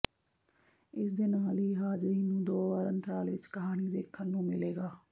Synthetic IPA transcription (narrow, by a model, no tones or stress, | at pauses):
ɪsd̪eːnaːlɦiːɦaːd͡ʒɾiːnːũːd̪oːʋaːɾənt̪ɾaːlʋɪt͡ʃkəɦaːniːd̪eːkʰːənːũːmɪleːɡaː